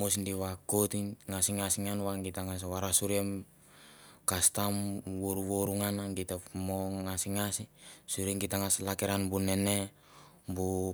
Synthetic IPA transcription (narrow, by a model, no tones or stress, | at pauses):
mosndiwakot̪iŋasiŋasiŋanwaŋɡit̪aŋas̬waɾasuɾiem | kast̪amwoɾuwoɾuŋanaŋɡit̪amoŋasiŋasisuɾieŋɡitaŋaslakeɾanbunene | bu